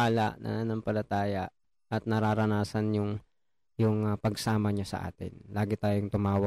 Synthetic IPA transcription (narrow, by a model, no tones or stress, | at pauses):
aːla̰ʔnɐ̰nɐŋpɐlɐt̪aːjɐʔ | ʔɐt̪̚nɐɾaːɾɐnaːsɐnjʊŋ | jʊŋpɐɡsaːmɐɲasɐ̰ʔa̰ːt̪ɪ̰nlaːɡɪt̪aːjʊŋt̪ʊmaːwɐ